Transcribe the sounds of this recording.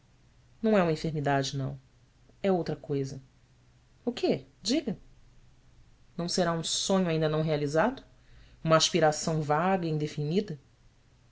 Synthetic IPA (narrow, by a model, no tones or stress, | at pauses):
nɐ̃w̃ɛũmĩfeɾmid̪ad͡ʒɪnɐ̰̃w̃ | ɛowt̪ɾɐkojzɐ | ʊked͡ʒiɡɐ | nɐ̃w̃seɾaũsõɲʊaĩnd̪ɐnɐ̃w̃ɦealizad̪ʊ | ũmɐːʃpiɾasɐ̃w̃vaɡɐĩd̪efinid̪ɐ